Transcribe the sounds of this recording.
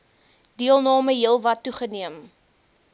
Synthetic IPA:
diəlˠnɑːməɦiəlˠvɐtːuχəniəm

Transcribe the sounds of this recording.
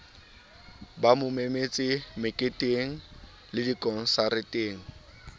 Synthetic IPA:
bamʊmemet͡sʼɪmɪkʼɪtʼɪŋ̩ | lɪdikʼɔn̩saɾɪtʼɪːŋ̩

